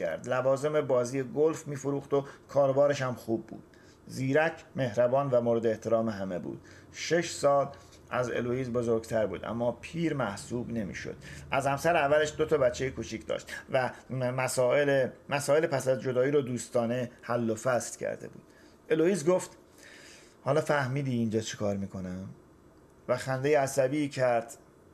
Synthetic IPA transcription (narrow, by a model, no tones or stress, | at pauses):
æ̰ɾd̪lævɒːze̞mebɒːziːjeɡolfmiːfoɾuːxd̪o̞kʰɒːɾobɒːɾe̞ʃæmxuːbːṵːd̪̥ | ziːɾæcʰme̞hɾæbɒːnvæmoɾed̪eeht̪ʰe̞ɾɒːmeɦæmebṵːd̪̥̚ | ʃe̞ʃsɒːl | æzḛlojiːzbo̞zoɾɡt̪ʰæɾbṵːd̪ʔæ̰mːɒːpʰiːɾmæhsuːbne̞mḭːʃo̰d̪̥ʔæzhæmsæɾævːæleʃd̪o̞t̪ʰɒːbæt͡ʃʰːejekʰut͡ʃʰiːcʰd̪ɒ̰ːʃt̪væmæsɒːelemæsɒːelepʰæsæzd͡ʒo̞d̪ɒːiːɾod̪uːst̪ɒːne̞hælːofæst̪cʰæ̰ɾd̪ḛbṵːd̪̥ | e̞loiːzɡoft̪ | hɒːlɒːfæhmiːd̪iːnd͡ʒɒːt͡ʃʰekʰɒːɾmiːkʰo̞næm | væxænd̪e̞jeæsæbiːcʰæɾd̪̥